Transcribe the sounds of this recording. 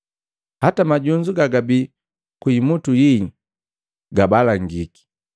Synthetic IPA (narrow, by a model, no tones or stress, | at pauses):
hatamaɟuɲd͡ʒuɡaɡabi | kwimutuji | ɡabalaŋɡiki̥